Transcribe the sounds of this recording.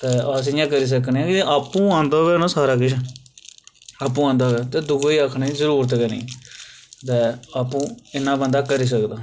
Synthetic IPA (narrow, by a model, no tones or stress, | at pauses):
t̪ɛːəs̬ɪjãːkəɾiːs̬əknːãːkɪaːpːũːãːnd̪oːʋɛːnãːsaːɾaːkɪʃʰ | aːpːũːãːnd̪oːʋɛːt̪ɛːd̪ʊɡoiːakʰneːzəɾuːɾət̪̬kənḭ̃ː | t̪ɛːaːpːũːɪnːãːbənd̪aːkəɾiːs̬əkd̪aː